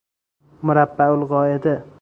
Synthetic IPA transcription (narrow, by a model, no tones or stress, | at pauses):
mʊɾabːaʊlʁɒːed̪ɪ